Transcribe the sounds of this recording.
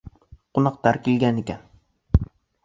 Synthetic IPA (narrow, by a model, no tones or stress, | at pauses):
qʊnɑqt̪aɾkʲelɡʲanekʲan